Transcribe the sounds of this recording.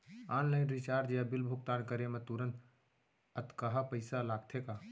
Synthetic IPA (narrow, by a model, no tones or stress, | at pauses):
aːnlaɪnɾit͡ʃaːɾd͡ʒjabilbʱuk̚t̪ankəɾemẽt̪uɾənt̪ | ət̪kəɦapəɪsalaːɡ̚t̪ʰeka